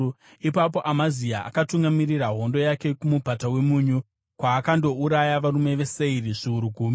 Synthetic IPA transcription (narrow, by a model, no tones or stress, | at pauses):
ipap̬o̞ʔamaziaʔa̰katuŋɡamiriraɦo̞ndo̞jake̞kumubʱatawe̞muɲu | kwaːkando̞uɾajaʋarume̞ʋe̞se̞iriʐiuɾuɡʱuːmi